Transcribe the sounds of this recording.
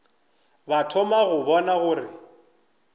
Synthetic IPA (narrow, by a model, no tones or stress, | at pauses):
batʰɔmaɣʊbɔnaɣʊːrɪ